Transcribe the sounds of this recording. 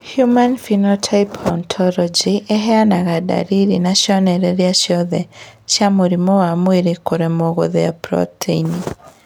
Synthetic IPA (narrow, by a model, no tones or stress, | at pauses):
hjumanfinɔtʰaipʰɔntʰɔlɔd͡ʒiʔeɦɛanaɣada̰ɾiɾinaʃjɔnɛɾɛɾeaʃjɔðɛʃjamoɾimɔwamweɾekoɾɛmɔɣo̰ðɛapɾɔ̰tʰeini